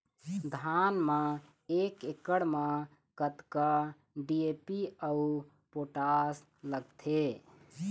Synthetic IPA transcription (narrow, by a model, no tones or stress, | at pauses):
d̪ʱanmã | ekekəɽmẽ | kət̪kə | ɖiepiəu | poʈas | ləɡt̪ʰe